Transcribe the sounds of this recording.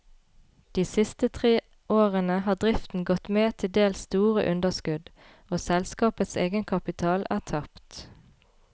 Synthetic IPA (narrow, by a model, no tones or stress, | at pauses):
d̪̥iːsɪst̪ət̪ʰʁeː | ʔoːʁənəhɑːd̪ʁɪft̪n̩ɡɔt̪meːt̪ʰɪld̪eːlsst̪uːʁə̰ʔʉnd̪əskʉd̪ | oːsɛlskɑːpət̪seːɡənkʰɑpɪt̪ʰɑːlʔæːʁt̪ʰɑpt̪